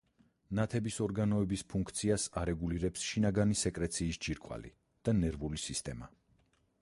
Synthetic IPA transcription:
nat̪ʰɛbisɔɾɡanɔɛbispʰuŋkʰt̪sʰiasaɾɛɡuliɾɛpsʃinaɡanisɛkʼɾɛt̪sʰiːsd͡ʒiɾkʼwa̰lḭ | d̪̥anɛɾvulisist̪ʼɛma

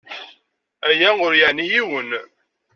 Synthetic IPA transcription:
æjæʊɾjəʕnijiwən

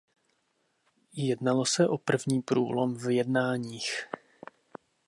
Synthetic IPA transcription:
jɛdnalosɛʔopr̩vɲiːpɾuːlo̞mvjɛdnaːɲiːx

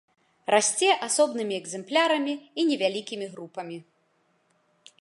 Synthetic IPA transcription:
rasʲt͡sʲɛʔasɔbnɨmʲiɛɡzɛmplʲaɾɐmʲiːnʲɛvʲalʲikʲimʲiɣɾupɐmʲi

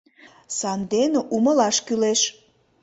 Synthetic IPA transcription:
sɑnd̪enʔuməlɑʃkyleʃ

